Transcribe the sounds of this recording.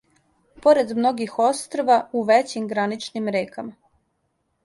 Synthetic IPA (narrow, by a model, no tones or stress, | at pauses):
po̞ɾe̞d̪mno̞ɡixo̞st̪ɾoʋauʋet͡ɕimɡɾanit͡ʃnimɾeːkama